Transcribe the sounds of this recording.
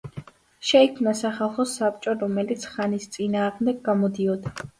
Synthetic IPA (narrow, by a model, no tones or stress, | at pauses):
ʃɛikʰmnasaχalˠχɔsap̚ʼt͡ʃʼɔɾɔmɛlit̪sʰχanist̪sʼinaːʁmd̪ɛɡːamɔd̪iɔd̪a